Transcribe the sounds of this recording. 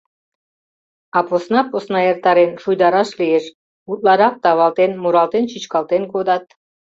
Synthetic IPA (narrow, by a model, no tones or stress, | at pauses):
aposnaposnajeɾt̪aɾenʃujd̪ɑɾaʃlʲieʃ | ut̪lˠɑɾaq̚t̪ɑβɑlˠt̪enmuɾɑlˠt̪ent͡ʃʰit͡ʃkalˠt̪enkod̪at̪